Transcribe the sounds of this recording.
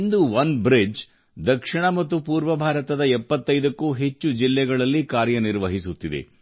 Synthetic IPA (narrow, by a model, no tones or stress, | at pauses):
nd̪uʋɐnbɾid͡ʒ | d̪ɐkʂiɳɐmɐt̪ːupuːɾʋɐbʱaːɾɐt̪ɐd̪ɐɛpːɐt̪ːɐjd̪ɐkːuɦe̞t͡ʃːud͡ʒilːɛɡɐɭɐlːikaːɾjɐniɾʋɐɦisut̪ːid̪ḛ